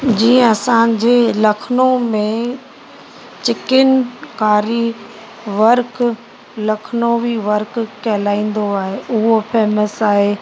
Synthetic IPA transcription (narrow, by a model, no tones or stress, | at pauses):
d͡ʑĩːɐsãd͡ʑeːlɐkʰnomẽ | t͡ɕɪkɪnkaːɾi | ʋɐɾk | lɐkʰnoʋiʋɐɾkkɐɦlaːĩːn̆d̪oaːɦeʔʊɦofʰeːməsaːɦeː